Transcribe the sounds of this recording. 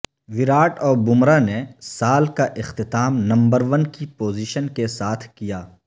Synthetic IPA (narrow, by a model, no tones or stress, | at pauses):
ʋɪɾaːʈɔːɾbʊmɾanesaːlkaʔɪxt̪ɪt̪aːmnɐ̃mbəɾʋənkipoːziʃənkesaːt̪ʰkijaː